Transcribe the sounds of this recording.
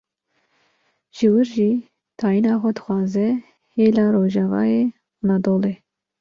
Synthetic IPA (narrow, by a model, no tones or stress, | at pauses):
ʒ̥ɨwɨɾʒiː | t̪ʰɑːjinɑːxʷɛd̪ɨxʷɑːzɛ | heːlɑːɾoːʒɑːvɑ̰ːjeː | unɑd̪oːleː